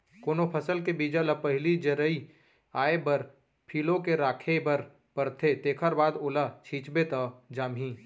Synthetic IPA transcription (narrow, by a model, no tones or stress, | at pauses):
koːnopʰəsəlkebiːd͡ʒalɐpəɦɪlid͡ʒəɾəi | aːebəɾ | pʰiːlõkeɾaːkʰebəɾ | pəɾt̪ʰet̪eːkʰəɾbaːd̪ʊlat͡ʃʰiːt͡ʃbet̪ad͡ʒaːmɦĩː